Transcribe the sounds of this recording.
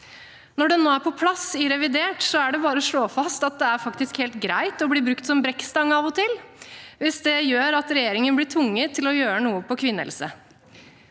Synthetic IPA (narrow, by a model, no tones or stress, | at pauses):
nɔɖɛnoːæɾpʰɔpʰlɑsɪɾɛʋɪd̪eːʈsɔæɖɛbɑːɾəɔʂɭoːfɑst̪ɑt̪̚d̪ɛæɾfɑkt̪ɪskheːlt̪ɡɾæɪt̪ɔbliːbɾʉkt̪sɔmbɾɛkst̪ɑŋːɑʋɔt̪ʰɪlʋɪsd̪ɛjøːɾɑt̪ɾɛjeːɾɪŋənblɪːʈ̪ʰʋʊŋːət̪ʰɪlɔjøːɾənuːəpɔkʰʋɪnːə̰lsə̰